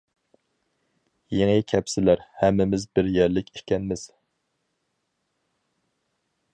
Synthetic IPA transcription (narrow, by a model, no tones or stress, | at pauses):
jeŋɨkʲʰɛpsɪlæɾhɛmːɪmɪzbɪɾjɛɾlɪkʲʰi̥kʲɛnmɪz̥